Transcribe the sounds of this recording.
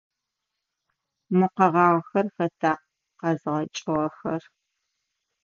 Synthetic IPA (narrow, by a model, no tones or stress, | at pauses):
mɨqɐʁɑːʁxɐrxɐtʰaːq | qɐzʁɐt͡ʃʼɪʁɐxɐr